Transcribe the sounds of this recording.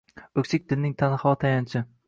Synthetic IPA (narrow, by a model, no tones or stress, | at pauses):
ɵkʲsɪk̚ʲd̪ɪnːɪŋt̪ʰanhɒt̪ʰajant͡ʃʰɪ